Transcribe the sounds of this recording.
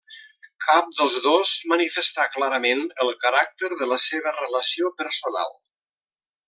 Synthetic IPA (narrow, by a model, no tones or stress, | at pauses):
kʰap̚d̪əlˠzðozmənifəst̪aklaɾəmenəlˠkəɾak̚t̪əɾðələseβərələsiopəɾsuna̰lˠ